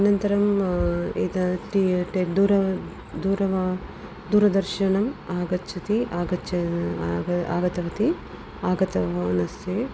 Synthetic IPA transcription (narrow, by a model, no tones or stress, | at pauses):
ɐnɐnt̪ɐɾɐm | ed̪ɐʈiʈed̪uːɾɐ | d̪uːɾɐʋɐ | d̪uːɾɐd̪ɐɾʃɐɳɐmaːɡɐt͡ʃɐt̪iaːɡɐt͡ʃɐ | a̰ːɡɐt̪ɐʋɐt̪i | aːɡɐt̪ɐʋɐnɐst̪e